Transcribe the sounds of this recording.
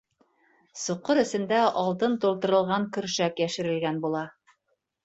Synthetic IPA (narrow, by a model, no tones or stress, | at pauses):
suqːɤɾɘ̆sɘ̆nd̪æʔɑlˠt̪ɤnt̪ulˠt̪ɤ̆ɾɤ̆lˠʁɑŋkɵ̆ɾʃækjæʃɘ̆ɾɘ̆lɡænbulˠɑ